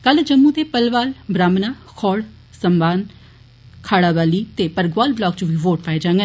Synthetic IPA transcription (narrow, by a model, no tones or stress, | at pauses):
kəld͡ʒəmːũːt̪eːpəlʋaːlbɾaːmnaːkʰɔːɽ | səmbaːn | kʰaːɽaːbaːliːt̪eːpəɾɡʋaːlblaːɡ̚t͡ʃũʋiːʋoːʈ̚paeːd͡ʒãːŋɡə